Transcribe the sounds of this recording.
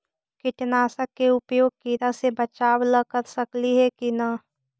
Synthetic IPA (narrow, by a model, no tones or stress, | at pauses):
kɪʈnaːsakːeʊpjoːɡ̚kiːɾasebət͡ʃaːwləkəɾsəkliɦɛkina